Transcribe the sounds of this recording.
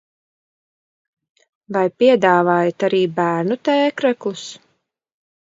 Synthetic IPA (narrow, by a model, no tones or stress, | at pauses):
vajpiɛd̪aːvaːjat̪aɾiːbæːɾnut̪ɛːkɾaklˠus